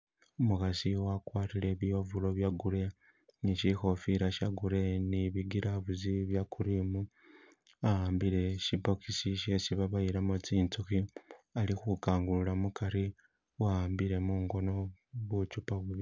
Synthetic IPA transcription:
omukasiwakwaːtile̞βiovulo̞βjaɡuɾe̞ | niʃixo̞fiɾaʃaɡuɾe̞niβiɡiɾaβuziβjakʰuɾimu | aaːmbiɾe̞ʃipo̞kisiʃe̞siβaβajiɾamot͡siːnt͡suxialixukaːŋɡululamukaɾi | waaːmbiɾe̞muŋɡo̞no̞βut͡ʃupaβuβi

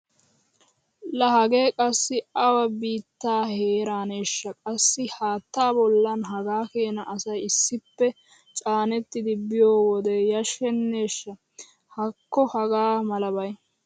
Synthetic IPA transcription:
lɐɦɐɡe̞ːkʼɐsːɪɐwɐbiːt̪ːaːheːɾaːne̞ːʃːɐkʼɐsːɪhaːt̪ːaːbɔlːɐnɦɐɡaːke̞ːnɐʔɐsɐjɪsːɪpːɛ | t͡ʃʼaːnɛt̪ːɪd̪ɪbɪjoːwɔd̪ɛjɐʃɛnːe̞ːʃːɐ | hɐkːɔhɐɡaːmɐlɐbɐj

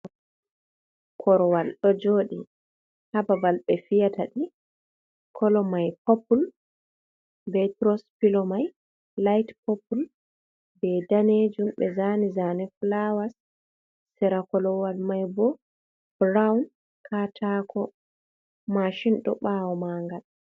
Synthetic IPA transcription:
kʰɔɾɔwalɗɔd͡ʒoːɗi | habavalɓɛfijataɗi | kʰɔlɔmajpɔpul | bɛtɾɔspilɔmaj | lajtpɔpul | bɛdaned͡ʒumbɛzanizanɛflawasː | ɛɾakɔlɔwalmajbɔ | bɾawn | kʰatʰakʰɔ | maʃinɗɔ̰ɓawɔmaːŋɡal

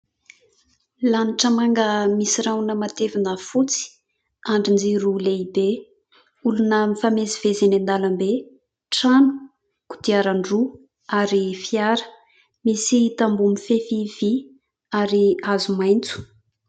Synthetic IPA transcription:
laniʈ͡ʂəmaŋɡəmisiɾawnəmat̪evinəfut͡si̥ | aɳɖ͡ʐind͡ziɾuleibe | ulunəmifamezivezenend̪alambe | ʈ͡ʂanu̥ | ku̥t̪iaɾaɳɖ͡ʐu | aɾifiaɾə̥ | misit̪ambumifefivi | aɾiazumajnt͡su̥

